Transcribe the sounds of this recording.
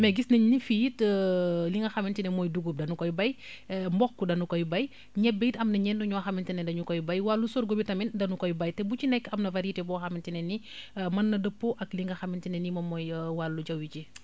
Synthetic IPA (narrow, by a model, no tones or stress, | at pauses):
mɛɡisnɐɲnifijitəliŋɡɐxɐmintinɛmɔːjduɡup̚dɐnukɔjbɐj | mbɔxkudɐnukɔjbɐj | ɲɛbːejitɐmnɐɲɛnduɲɔxɐmintinɛndɐɲukɔjbɐjwalːusɔɾɡobitɐmindɐnukɔjbɐjtɛbut͡ʃinɛkːɐmnɐvɐɾitɛbɔxɐmintinɛnimɐnːɐdəpːoʔɐkliŋɡɐxɐmintinɛnimɐmɔjwalːud͡ʒɐwit͡ʃi